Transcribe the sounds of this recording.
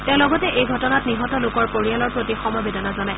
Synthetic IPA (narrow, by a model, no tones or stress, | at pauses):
tɛ̃ʊ̃lɔɡɔtɛʔejɡʱɔtɔnatniɦɔtɔlʊkɔɹpoɹialɔɹpɹotixɔmɔjbedɔnazɔnaj